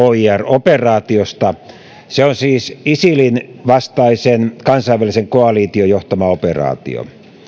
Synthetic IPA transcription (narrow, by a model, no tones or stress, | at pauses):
oiæroperɑːt̪iost̪ɑ | seonsiːsisilinʋɑst̪ɑisenkɑnsɑiʋʋæliseŋkoɑliːt̪iojoht̪ɑmɑoperɑ̰ːt̪ḭo̰